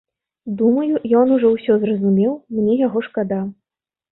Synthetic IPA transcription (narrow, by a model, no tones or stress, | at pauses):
d̪umɐjujɔnuʐɔwsʲɔzrɐzumʲɛwmnʲɛjaɣɔʂkad̪a